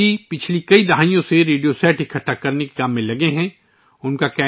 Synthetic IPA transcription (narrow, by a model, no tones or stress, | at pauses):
ipɪt͡ʃʰlikɐid̪ɐɦaːijõseɾeːɖijosɛːʈɪkʰɐʈʰːakɐɾneke̥kãːmːẽlɐɡeɦɛ̃ː | ʊnkakɛː